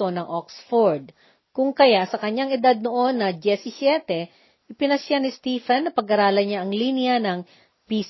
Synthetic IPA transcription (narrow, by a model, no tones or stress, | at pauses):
o̞nɐŋʔoksfoɹd̪̚ | kʊŋkɐjaʔsɐkɐɲːaŋɪd̪ad̪̚noʔo̞nːɐd͡ʒɛsɪsjɛt̪ɛ | ʔɪpɪnɐsjanɪst̪iːfɛnːɐpɐɡʔɐɾaːlɐɲaʔɐŋlinɪjɐnɐŋ | pis